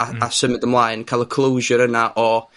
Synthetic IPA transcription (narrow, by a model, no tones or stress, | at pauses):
aasəmɪðəmlˠajnkʰaɪlˠəkʰlˠowʒəɾənaʔɔ